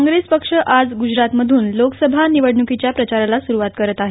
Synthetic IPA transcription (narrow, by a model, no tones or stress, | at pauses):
ŋɡɾespəkʂəʔad͡zɡud͡ʑɾat̪məd̪ʱuːnloksəbʱaniʋəɽɳukit͡ɕjapɾət͡ɕaɾalasuɾuʋat̪kəɾət̪aɦe